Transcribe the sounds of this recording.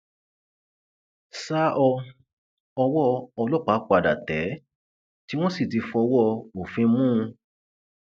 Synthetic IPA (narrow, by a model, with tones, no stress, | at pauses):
sa˦ʔɔ˧ | ɔ˧wɔ˦˧ɔ˧lɔ˦˨k͡pa˨˦k͡pa˨da̰˨tɛ˨˦ | ti˦w̃ɔ̃˦si˦˨ti˧fɔ˧wɔ˦˧o˨fĩ˧mũ˦ũ˧